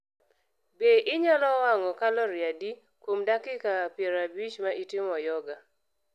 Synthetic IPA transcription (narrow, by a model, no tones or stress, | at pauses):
beʔɪɲalɔwaŋɔkalɔɾjadi | kwomdakɪkapjɛɾabit͡ʃmaʔitɪmɔjɔɡa